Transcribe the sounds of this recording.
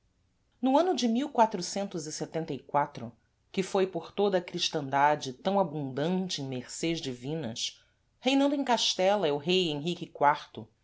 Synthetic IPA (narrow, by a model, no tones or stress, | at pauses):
nʊɐ̃nʊd͡ʒɪmiwkwat̪ɾʊsẽnt̪ʊzɪset̪ẽnt̪ɐikwat̪ɾʊ | kɪfojpoχt̪od̪ɐːkɾiʃt̪ɐ̃nd̪ad͡ʒɪt̪ɐ̃w̃abũd̪ɐ̃nt͡ʃɪẽj̃meɾseʒd͡ʒɪvĩnɐ̰s | hejnɐ̃nd̪ʊẽkaʃt̪ɛlɐɛʊɦejẽɦikɪkwaɾt̪ʊ